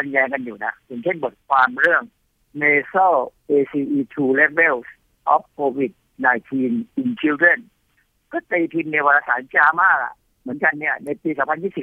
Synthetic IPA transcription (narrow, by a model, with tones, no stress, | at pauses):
a˧njɛː˧ŋka˧njuː˨˩na˦˥jʰɯ˨˩ŋt͡ɕʰe˥˩nboː˨˩t̪̚kʰwaː˧mɾɯ˥˩əŋ | meː˧sɔ˥˩ʔeː˧siː˧ʔiː˧t̪ʰuː˧lɛ˦˥we˥˩ws | ʔɔ˦˥p̚kʰoː˧wi˨˩t̪̚ | naː˧jt̪ʰiː˧nʔi˧nt͡ɕʰi˦˥wde˥˩n | kɔː˥˩t̪iː˧p̪ʰi˧nːe˧wa˧laː˧˩sa̰ː˩˦nt͡ɕaː˧maː˥˩k̚a̰˨˩ʔ | mɯ˩˦ənka˧nːi˥˩ɐəna˧jpiː˧sɔː˩˦pʰnj̪iː˥˩si˨˩